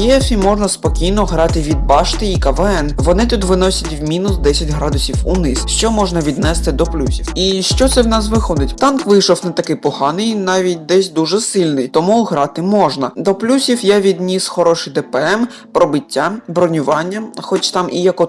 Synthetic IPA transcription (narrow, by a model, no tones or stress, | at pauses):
jɛfʲimɔʒnɐspɔkʲijnɔɦɾɑt̪ɪʋʲid̪̚bɑʃt̪ɪikɐʋɛɛnʋɔnɪt̪ut̪ʋɪnɔsʲɐtʲwmʲinʊsd̪ɛsʲɐtʲɦɾɑd̪ʊsʲiwṵnɪsʃt͡ʃɔmɔʒnɐʋʲid̪nɛst̪ɪd̪ɔplʲusʲiwiʃt͡ʃɔt̪sɛwnɑsʋɪxɔd̪ɪtʲt̪ɑnkʋɪjʃɔwnɐt̪ɐkɪjpɔhɑnɪjnɑʋʲitʲd̪ɛsʲd̪uʒɛsɪlʲnɪjt̪ɔmuɦɾɑt̪ɪmɔʒnɐd̪ɔplʲusʲiwjɛʋʲid̪ʲnʲisxɔɾɔʃɪjd̪ɛpɛɛm | pɾɔbɪtʲːabɾɔnʲʊʋɑnʲːɐxɔt͡ʃt̪ɑmʔijɐkɔ